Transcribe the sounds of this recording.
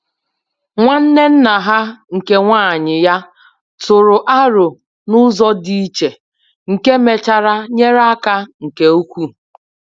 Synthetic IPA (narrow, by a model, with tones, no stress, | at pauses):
ŋʷa˦n̩˦ne˦n̩˦na˨ɦa˦ŋ̩˨ke˦ŋʷaː˦˨ɲɪ˨ja˦ | tʊ˨ɾʊ˨ʔa˦ɾʊ˨ | nʊ˦zɔ˦di˦i˦t͡ʃe˨ | ŋ̩˨ke˦me˨t͡ʃa˨ɾa˦ɲe˦ɾa˦ka˦ŋ̩˨ke˨o˦kʷu˦